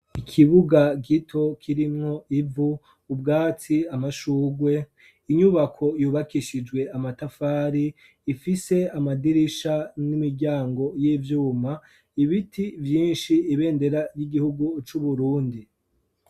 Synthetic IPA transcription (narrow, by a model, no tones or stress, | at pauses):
ikʰiβuɡaɡitʰo̞kʰiɾimŋo̞ʔivuː | b̚ɡaːt͡siamaʃuːɡwe̞ | iɲuβakʰo̞juːβakiʃid͡ʒɡwe̞amatafaːɾiː | fise̞amadiɾiʃanimiɟaːŋɡo̞jiːvjuːma | iβitʰivjiːnʃiːβe̞ːnde̞ɾajiɡihuɡut͡ʃuβuɾuːndi